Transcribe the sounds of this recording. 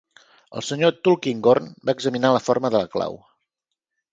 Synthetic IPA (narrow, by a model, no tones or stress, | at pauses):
ə̰lˠsəɲot̪ulˠkiŋɡornbaəɡzəminaləfoɾməðələkla̰w